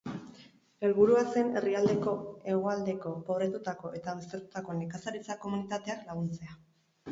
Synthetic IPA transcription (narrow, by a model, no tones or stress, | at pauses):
e̞lβuɾuase̞ne̞riald̪e̞ko̞e̞ɣ̞o̞ald̪e̞ko̞po̞β̞ɾe̞t̪ut̪ako̞ʔe̞t̪aːwst̪e̞ɾt̪u̥t̪ako̞nikasaɾit͡sako̞munit̪at̪e̞aklaɣ̞unt͡se̞a